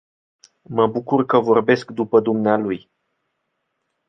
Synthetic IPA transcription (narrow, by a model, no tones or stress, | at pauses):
məbukurkəvo̞rbe̞skd̪upəd̪umnealuj